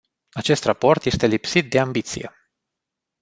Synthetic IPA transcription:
at͡ʃe̞st̪rapo̞rt̪je̞st̪e̞lipsit̪̚d̪e̞ambit̪sḭje̞̰

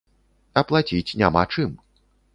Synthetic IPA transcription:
ɐplˠat͡sʲit͡sʲnʲamat͡ʂɨm

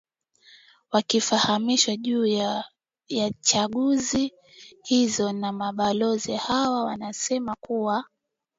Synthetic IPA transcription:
wakifahamiʃwaʄuːj | jat͡ʃaɠuzi | hizɔnamaɓalɔzihawawanasɛmakuwa

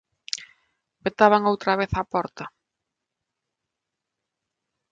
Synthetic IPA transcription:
pet̪aβaŋowt̪ɾɐβeθapɔɾt̪ɐ

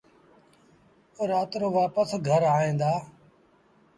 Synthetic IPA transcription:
ʊɾaːt̪ɾoːʋaːpəsɡʱəɾaːɦẽːnd̪aː

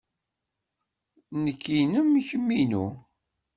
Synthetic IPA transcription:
nəkʰːinəmiçəmːinṵ

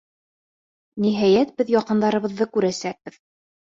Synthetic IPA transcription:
niɦæjæt̪̚bɘðjɑqɤ̆nd̪ɑɾɤ̆βɤ̆ðːɤkʉɾæsæk̚bɘð

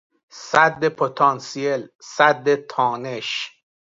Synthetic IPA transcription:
sæd̪ːepʰot̪ʰɑːnsielsæd̪ːet̪ʰɒːneʃ

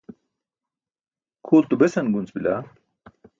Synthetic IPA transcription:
kʰuːɾt̪ubesɐnɡunt͡sbila̰

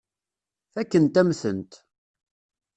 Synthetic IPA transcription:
θækːənt̪æmθə̰nt̪

